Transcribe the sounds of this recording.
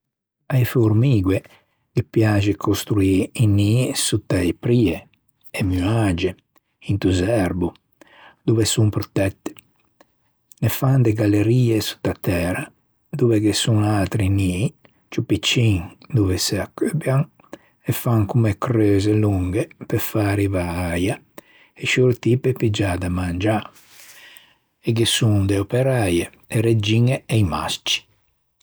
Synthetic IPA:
ajfuɾmiːɡwe | kepjaːd͡ʒikʰost̪ɾuiinːisut̪ːaepɾiːeː | myad͡ʒe | int̪uzɛɾbu | d̪uvesumpɾot̪ɛt̪ːe̥ | nefand̪eɡalːeɾiːesu̥t̪ːat̪ːɛːɾa | d̪uvekesuŋalt̪ɾini | t͡ʃupit͡ʃːiŋd̪uveseakːøbjaŋ | efaŋkumekɾøːzeluŋɡepefaːɾivaaja | eʃuɾt̪ipepid͡ʒad̪amand͡ʒa | eɡesuŋd̪eopeɾaje | eɾed͡ʒiŋeejma̰st͡ʃi̥

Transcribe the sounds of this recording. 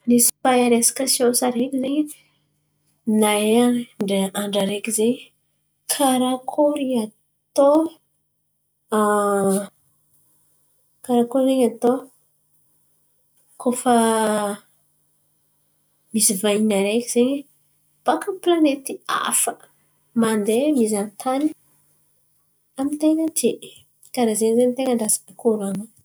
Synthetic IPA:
nisi̥fajaɾesḁkasiõsaɾekizeɲi | naaɳɖ͡ʐeʔaɳɖ͡ʐaɾekizeɲə | kʰaɾakʰoɾia | t̪o | kaɾakoɾizeɲat̪o | kʰofə | misivainaɾekiz̥eɲe | b̥akəplanet̪ia̰fə̥ | mand̪emizanit̪ʰani̥ | amint̪eŋət̪i | kaɾazeɲzenit̪eŋəɳɖ͡ʐasi̥pikoɾana

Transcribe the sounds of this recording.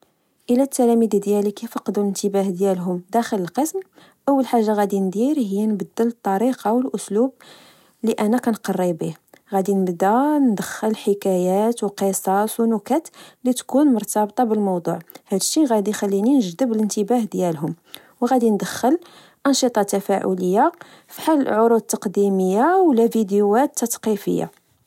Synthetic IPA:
ʔəlæt̪ːælæmid̪d̪jælikæjfɑqd̪ulənt̪əbæhd̪jælɦʊmd̪æxələlqəsm | ʔəwːəlħaʒːaɣæd̪ind̪iɾɦəjːænbəd̪ːələt̪ˤːɑɾiqɑwəlʔʊslub̚ | liʔænːækænqɑrˤːibihɣæd̪inəbd̪ænd̪əxːəlħəkæjæt̪wqəsˤɑswnʊkæt̪lit̪kunmʊɾˤt̪ɑbt̪ˤɑbəlmɑwd̪ˤṵʕhæd̪əʃːiɣæd̪ixælːininəʒd̪əbələnt̪əbæhd̪jælɦʊm | wɣæd̪ind̪əxːəl | ʔɑnʃɨt̪ˤɑt̪ːæfæʕʊ̰ləjːa | fi̥ħalːə̰ʕoɾud̪̚t̪ːɑqd̪iməjːawlævid̪juæt̪ːɑt̪qifə̰jːa̰

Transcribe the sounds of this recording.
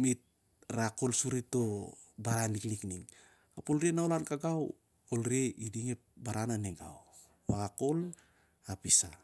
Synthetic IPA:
mit̚ | ɾako̞lsuɾito̞ | baɾanliklikniŋ | apolɾienaolankaɡaw | kolɾeidiŋep̚baɾananeɡa̰w | βaɡako̞l | apisa

